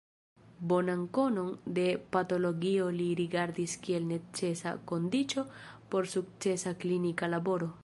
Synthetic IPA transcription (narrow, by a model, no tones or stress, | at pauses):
bo̞nanko̞no̞nde̞pato̞lo̞ɡio̞liɾiɡaɾdiskie̞lne̞t͡se̞sa̰ko̞ndit͡ʃo̞po̞ɾsuk̚t͡se̞saklinikalabo̞ɾo̞